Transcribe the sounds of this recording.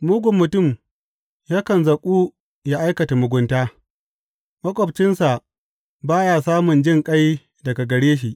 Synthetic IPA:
mʊ˦ɡʷʊ˨mːʊ˨tʊ˦˨m | jaː˦kɐ˨nzɐ˨kʷʼuː˦ | ja˦ʔa˦jkɐ˨ta˨mʊ˨ɡʷʊ˦ntaː˦ | mɐ˦kʷʼɔ˨b̚t͡ʃɪ˦nsa˨ | baː˦ja˨saː˦mʊ˨nd͡ʒɪ˦ŋkʼa˦j | dɐ˨ɡa˨ɡɐ˨ɽeː˦ʃ̬i˨ʔ

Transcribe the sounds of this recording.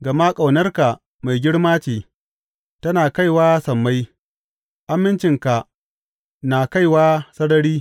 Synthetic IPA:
ɡɐ˨maː˦kʼa˨wnɐ˦rka˨ | ma˨jɡʲɪ˦ɽmaː˦t͡ʃeː˨ | tɐ˦naː˨ka˦˨jwaː˦sɐ˨mːa˦j | ʔa˦mːɪ˦nt͡ʃɪ˨ŋka˨ʔ | naː˨ka˦˨jwaː˦sɐ˦ɽɐ˦ɽiː˦

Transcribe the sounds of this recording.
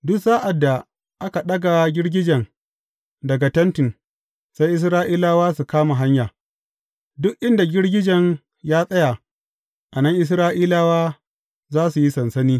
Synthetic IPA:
dʊ˦kzaː˦ʔa˨dːa˨ | ʔa˦ka˨ɗɐ˦ɡa˨ɡʲɪ˦ɽɡʲɪ˦d͡ʒɐ˨ŋ | dɐ˨ɡa˨tɐ˦ntɪ˨n | sa˦jʔɪ˦s̬ɾaː˦ʔiː˦laː˦waː˦su˨kaː˦ma˨ɦa˦ɲjaː˨ | dʊ˦kʔɪ˦nda˨ɡʲɪ˦ɽɡʲɪ˦d͡ʒɐ˨ŋ | jaː˦sʼɐ˦ja˨ | ʔa˨nɐ˦ŋʔɪ˦s̬ɾaː˦ʔiː˦laː˦waː˦ | zaː˦su˨ji˦sɐ˨nsɐ˦niː˦

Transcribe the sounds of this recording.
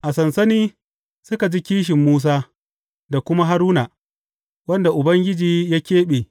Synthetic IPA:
ʔa˨sɐ˨nsɐ˦niː˦ | sʊ˦ka˨d͡ʒi˦kʲiː˦ʃ̬ɪ˨mːuː˦s̬aː˦ | da˨kʷʊ˦ma˦ɦa˦ɾuː˦naː˨ | wɐ˦nda˨ʔʊ˨bɐ˦ŋɡʲɪ˦d͡ʒiː˨ja˦kʲeː˦ɓeː˨

